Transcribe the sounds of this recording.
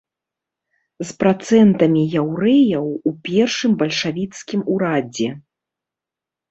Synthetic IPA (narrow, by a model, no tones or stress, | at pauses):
zpɾat̪sɛnt̪ɐmʲijawɾɛjɐwupʲɛrʂɨmbɐlʲʂavʲit̪skʲimuɾad͡zʲɛ